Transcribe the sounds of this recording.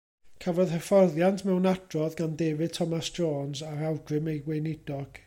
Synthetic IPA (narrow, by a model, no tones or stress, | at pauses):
kʰəvɔðhəfɔrðjantʰmɛwnad̥rɔðɡandeːvɨd̚tʰɔmasd͡ʒoːnsaɾawɡrɨmejwejnɪdɔɡ̥